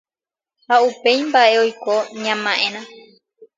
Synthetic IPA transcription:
haupe̞jmbaʔe̞ojkoɲãmãʔẽɾ̃ã

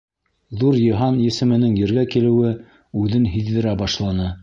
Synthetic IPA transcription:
ðuɾjɤ̆ɦɑnjɘ̆sɘ̆mɘ̆nɘŋjɘ̆ɾɡækilɘ̆wɘ | ʉðɘnɦiðːɘ̆ɾæbɑʃlˠɑnɤ

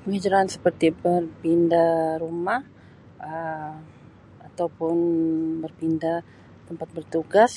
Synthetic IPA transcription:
pəŋid͡ʒuɾaansəpərt̪ibərpindaɾumah | ə | at̪awpʊnbərpinda | t̪əmpat̪̚bərt̪uɡas

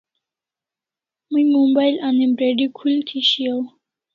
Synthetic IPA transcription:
mujmombajlanebɾeɖikʰult̪ʰiɕiaw

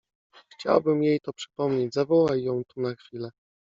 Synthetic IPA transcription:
xt͡ɕa̰wbɘmjejt̪ɔpʂɘ̥pɔmɲed͡ʑzavɔwajːɔ̃w̃t̪unaxfʲilɛ

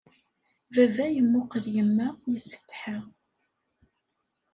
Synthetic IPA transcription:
vævæjəmːʊqəljəmːæjəsːə̥t̪ːħa

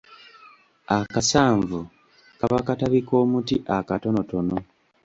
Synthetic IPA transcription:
akasaːɱvu | kaβakataβiko̞ːmutiʔakato̞no̞to̞no̞

